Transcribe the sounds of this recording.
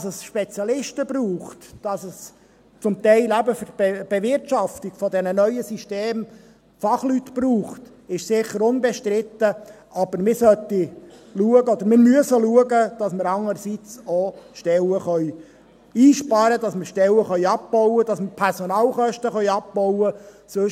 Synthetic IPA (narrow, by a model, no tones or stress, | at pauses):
səsʃpɛt͡sjɑlɪʃtəb̥ɾuːχtd̥ɑsəs | t͡sʊmt̪ɛɪlæbəfəbɛb̥ɛvɪɾtʃɑftiɡ̥fɔdɛnənœʏəsiʃteːm | fɑχlyt̪pruːχt | ɪʃsɪχːəɾʊnbɛʃtɾɪt̪ːə | ʔɑb̥əɾmɪɾsœt̪ːiluəɡəɔd̪əɾmɪɾmyəsəluəɡəd̥ɑsməɾɑŋəɾsit͡sɔʃtɛləχœj | iːʃpɑɾəd̥ɑsməɾʃtɛləχœʏɑp̚pɔʊwədɑsməɾpʰɛɾsɔnɑːlχœʃtəχœʏjɑp̚bɔwə | sɵʃ